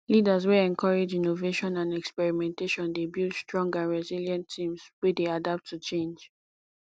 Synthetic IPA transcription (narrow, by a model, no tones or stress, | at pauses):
lidaz̬weɛ̃nkʰɔɹed͡ʒinoveʃɔ̃nãnɛkspɛɹimɛ̃nteʃɔ̃ndebjutstɹɔ̃ŋɡãnɹɛziljãntʰĩmswedeadap̚tʰːut͡ʃẽnd͡ʒ